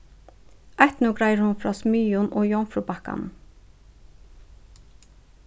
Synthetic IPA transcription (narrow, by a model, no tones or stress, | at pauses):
æt̪nʊɡɾæɪɾhʊnfɾɑːsmyːʊnʔoːjɔŋfɾʊbɑka̰ɑ̰n